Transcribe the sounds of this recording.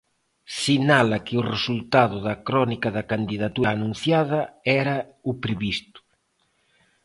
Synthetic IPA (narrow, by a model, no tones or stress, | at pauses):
sinalɐkɪʊresult̪aðʊðɐkɾɔnikɐðɐkand̪iðat̪uːnũn̟θjað̞ɐɛɾɐ | ʊpɾeβist̪ʊ̥